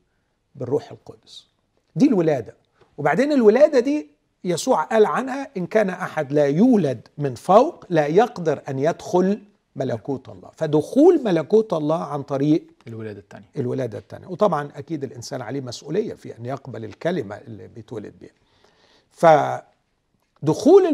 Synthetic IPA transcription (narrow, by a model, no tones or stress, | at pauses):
bɪrːuːħelqod̪s | d̪iːlwɪlæːd̪æ | webaʕd̪eːnɪlwɪlæːd̪æd̪iː | jæsuːʕʔæːlʕanhæʔɪnkæːnʔaħad̪læːjuːlæd̪mɪnfæwqlæːjɑqd̪ɑɾʔænjæd̪xʊl | mælækuːt̪ɑ̰lˤːɑ̰ːfæd̪ʊxuːlmælækuːt̪ʔɑlˤːɑːʕant̪ˤɑɾiːʔ̪ | nʔɪlwɪlæːd̪æ̰t̪ːæ̰nja̰wt̪ˤɑbʕɑnʔækiːd̪ɪlʔɪnsæːnʕa̰leːmæsʔuːlɪjːæ̰fiʔɪ̰nːjɑqbælɪlkælɪmæ̰ʔɪlːibɪjet̪wælɪ̰d̪̚bḭːhæ | fæ | d̪ʊxuːl